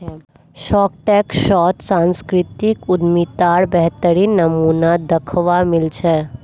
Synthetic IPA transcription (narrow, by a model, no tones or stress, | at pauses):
ʃɔːk̚ʈɛkʃɔːt̪sãnskɾɪt̪ikʊd̪mit̪aɽbɛɦt̪əɾinːəmuːnad̪əkʰʋamɪlt͡ʃʰɛ